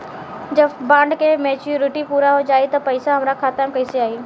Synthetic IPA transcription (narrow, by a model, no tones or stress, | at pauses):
d͡ʒɐbbãːɳɖkemeːt͡ʃuɾɪʈipuːɾaɦod͡ʒaːit̪ɐpɐɪsaɦɐmɾakaːt̪amkɐisiaːiː